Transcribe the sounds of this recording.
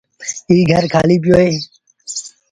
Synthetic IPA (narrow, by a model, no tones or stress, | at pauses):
iːɡʱəɾkʰaːliːpɪjoːeː